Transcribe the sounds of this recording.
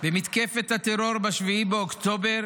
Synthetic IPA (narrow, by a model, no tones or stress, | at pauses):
bemit̪kefet̪hat̪eɾoɾbaʃviibeokt̪obeɾ